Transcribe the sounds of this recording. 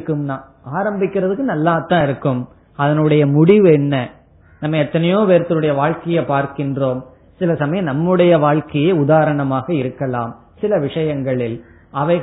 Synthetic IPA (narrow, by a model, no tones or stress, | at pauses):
kːɯmnaː | aːɾɐmbɪkːɪɾɐðɯkːɯnɐlːaːt̪ːãːɪɾɯkːɯm | ɐðɐnɯɽɐjɐmʊɽɪʋɛnːɐ | nɐmːɐɛt̪ːɐnɐjoːʋeːɾt̪ːɐlɯɽɐjɐʋaːɻkɐjɐpaːɾkɪndroːm | sɪlɐsɐmɐjɐnɐmːɯɽɐjɐʋaːɭkɐjeːʊðaːɾɐɳɐmaːɣɐɪɾɯkːɐlaːm | sɪlɐʋɪʂɐjɐŋɡɐɭɪl | ʔɐʋɐɪ